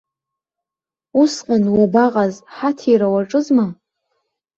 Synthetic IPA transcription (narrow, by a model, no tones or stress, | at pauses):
usqʼanwabaqʼazħatʰiɾawaʈ͡ʂʼɨzma